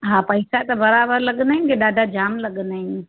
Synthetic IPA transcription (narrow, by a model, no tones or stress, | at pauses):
ɦãːpɐɪsat̪ɐbɐɾaːbəɾlɐɠənd̪aɦĩnkeɗaːɖʱad͡ʑaːmlɐɠənaːɦɪ̃n